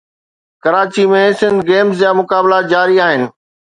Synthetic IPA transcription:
kɐɾaːt͡ɕimẽsɪ̃nd̪ɡeːmzd͡ʑaːmʊkaːblad͡ʑaːɾiaːɦɪnɪ̆

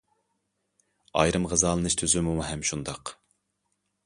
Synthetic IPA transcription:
ɑ̰jɾɨmʁəzɑːlˠɨnɨʃt̪ʰøzɪmuɦɛmʃund̪ɑq

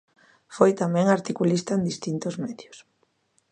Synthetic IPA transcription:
fojt̪amɛ̃ŋaɾt̪ikulist̪aend̪ist̪int̪ozmɛðjʊs

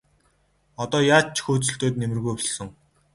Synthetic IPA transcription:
ɔt̪ɔːjaːt͡ɕʰxuːt͡sɵ̆ɬt̪oːt̪̚nemɘ̆rɣujsɞ̆ŋ

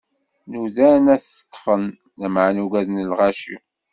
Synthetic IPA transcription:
nuðænæθə̥t̪ˤːfənː | əmʕanuɡæðnəlʁæʃḭ

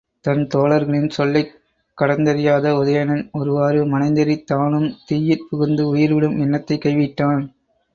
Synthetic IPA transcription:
t̪ɐnt̪oːɭɐɾɣɐɭɪnsɔlːɐɪ | kːɐɽɐnd̪ɐɾɪjaːðɐʊðɐjɐnɐnɔɾɯʋaːɾɯmɐnɐɪnd̪ɐɾɪt̪ːaːnɯmt̪iːjɪɾpʊɣɯnd̪ɯʊjɪɾʋɪɽɯmɛnːɐt̪ːɐɪkːɐɪʋɪʈːaːn

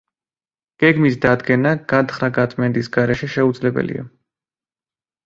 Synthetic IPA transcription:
ɡ̥ɛɡmisd̪ad̪ɡɛnaɡ̥at̪χɾaɡat̪ʼmɛnd̪ʼisɡaɾɛʃɛʃɛud̪zlɛbɛ̰lḭa̰

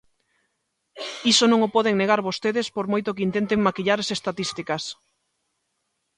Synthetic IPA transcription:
isonõŋopɔðeŋneɣaɾβost̪eðespoɾmojt̪okint̪ent̪eŋmakiʎaɾasest̪at̪ist̪ikas

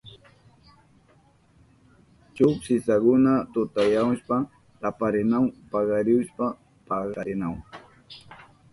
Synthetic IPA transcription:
t͡ʃʊpsɪsakʊnat̪ʊt̪ajawʃpa | t̪apaɾɪnawpɑɢɑɾɪwʃpa | pɑɢɑɾɪnaw

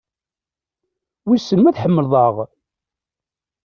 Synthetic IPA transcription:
wisːənmæθħəmːəlðˤəʁ

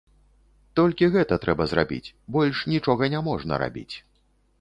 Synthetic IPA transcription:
t̪ɔlʲkʲiɣɛt̪ɐt̪ɾʔɛbɐzɾa̰bʲḭt͡sʲbɔlʲʂnʲit͡ʂɔɣɐnʲamɔʐnɐ̰ɾa̰bʲḭt͡sʲ

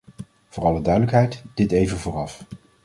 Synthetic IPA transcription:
v̥ʊːrɑlədœɥdələkɦɛjtd̥ɪtejvənvʊːrɑf

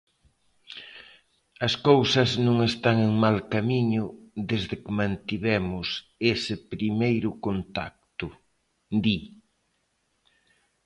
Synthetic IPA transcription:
ɐskowsɐznõŋest̪aŋeŋmalkamiɲʊðezðekɪmãnt̪iβɛmʊs | esɪpɾimejɾʊkont̪a̰k̚t̪ʊ | d̪i

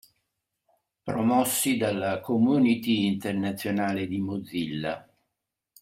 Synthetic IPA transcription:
pɾomɔsːid̪alːakomunit̪iːnt̪ernat̪sːjonaːled̪imod̪zilːa̰

